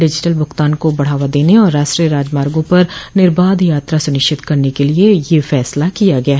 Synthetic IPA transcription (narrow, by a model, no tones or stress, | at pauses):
ɖɪd͡ʒɪʈəlbʊxt̪aːnkobɐɽ̤aːʋad̪eːneɔːɾːaːʃʈɾiɾaːd͡ʒmaːɾɡõpɐɾnɪɾbaːd̪jaːt̪ɾasʊnɪʃɪt̪kɐɾnekeliejefɛːslakijaɡɐjaːɦ